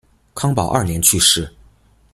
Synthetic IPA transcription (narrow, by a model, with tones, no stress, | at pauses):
kʰɑ˥ŋpɑ˨˩ʊʔɐ̰˥˩njɛ˧˥nt͡ɕʰy˥˧ʂɻ̩˥˩